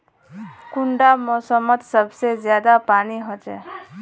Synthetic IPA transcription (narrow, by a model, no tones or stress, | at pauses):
kʊɳɖamɔːsəmət̪səbsezjaːd̪apaːniɦod͡ʒɛ̰ː